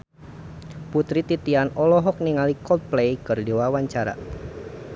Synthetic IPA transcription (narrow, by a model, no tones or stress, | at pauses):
put̪ɾit̪it̪ianɔlɔɦɔk̚niŋalikɔlt̪̚plejkɨrdewawaɲt͡ʃaɾa̰